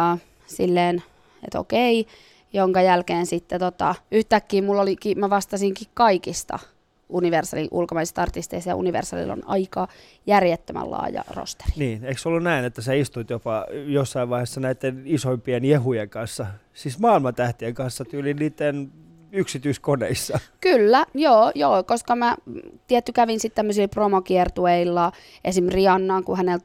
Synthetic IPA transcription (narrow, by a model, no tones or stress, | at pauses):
silːeːn | ḛt̪o̰kei | joŋkɑjælkeːnsit̪ːet̪ot̪ɑyht̪ækːiːmulːolikimæʋɑst̪ɑsiŋkikkɑikist̪ɑ̰ | uniʋersɑ̰liʔṵlkomɑisest̪ɑrt̪ist̪eist̪æjɑ̰ṵniʋḛrsɑ̰lḭlːo̰nɑ̰ikɑ | jærjet̪ːømæ̰llɑ̰ːjɑ̰ro̰st̪e̥ri̥niːneiksolːunnæinet̪ːæseist̪ut̪jopɑjosːɑiʋɑihesːɑnæit̪ːenisoimpiɛnjehujeŋkɑnsːɑ | sismɑːilmɑnt̪æht̪ieŋkɑnsːɑt̪ylinniːt̪ːen | yksit̪yiskonḛisːɑkylːæjoːjoːkoskɑmæt̪iɛt̪ːykæʋinsit̪t̪æmːøsilpromokiɛrt̪ueilːɑ | ʔesimriɑnːɑːŋkuhænelt̪